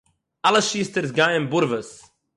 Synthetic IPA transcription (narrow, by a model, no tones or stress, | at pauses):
aləʃiːst̪əɾzɡajənbʊɾvəs